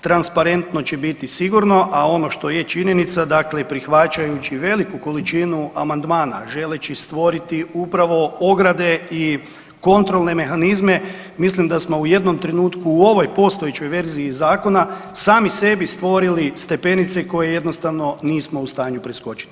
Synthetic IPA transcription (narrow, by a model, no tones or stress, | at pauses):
t̪ɾanspaɾe̞nt̪no̞t͡ɕebit̪isiɡuɾno̞ʔao̞no̞ʃt̪o̞jet͡ʃiɲe̞nit̪sad̪aklepɾixʋat͡ʃajut͡ɕiʋe̞likuko̞lit͡ʃinuʔamand̪maːna̰ʒe̞let͡ɕist̪ʋo̞ɾit̪iupɾaʋo̞o̞ɡɾad̪e̞i | ko̞nt̪ɾo̞lˠne̞me̞xanizme̞ | mislimd̪asmo̞uje̞d̪no̞mt̪ɾe̞nuːt̪kuːo̞ʋo̞jpo̞st̪ojet͡ɕo̞jʋe̞ɾziːzaːko̞nasaːmise̞bist̪ʋo̞ɾilist̪e̞pe̞nit̪se̞ko̞je̞je̞d̪no̞st̪aʋno̞niːsmo̞ust̪aːɲupɾesko̞t͡ʃi̥li̥